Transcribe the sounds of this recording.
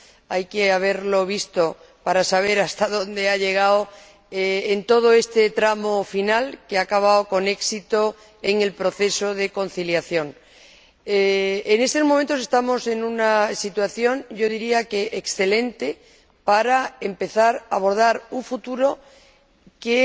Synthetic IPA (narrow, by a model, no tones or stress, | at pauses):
ajkeaβ̞e̞ɾlo̞β̞ist̪o̞ | paɾasaβ̞e̞ɾast̪aðõ̞nd̪e̞aʎe̞ɣ̞ao | eent̪o̞ð̞o̞e̞st̪e̞t̪ɾamo̞finalkeakaβ̞aoko̞ne̞ksit̪o̞ | eŋe̞lpɾo̞θe̞so̞ðe̞ko̞n̟θiljaθjo̞ŋ | eːne̞st̪o̞zmõment̪ose̞st̪amo̞se̞nunasit̪waθjo̞ŋɟ͡ʝo̞ðiɾiake̞ʔeksθe̞lẽ̞nt̪e̞ | paɾae̞mpe̞θaɾaβ̞o̞ɾð̞aɾuɱfut̪uɾo̞ | ke